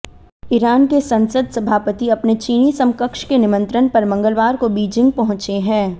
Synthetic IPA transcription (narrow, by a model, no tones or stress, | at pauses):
ɪɾaːnkesɐ̃nsəd̪sɐbʱaːpət̪iɐpnet͡ʃiːnisɐ̃mkəkʃkenɪmə̃nt̪ɾənpɐɾmɐ̃ŋɡəlʋaːɾkobiːd͡ʒɪ̃ŋɡ̚pɐɦʊ̃t͡ʃeɦɛ̃ː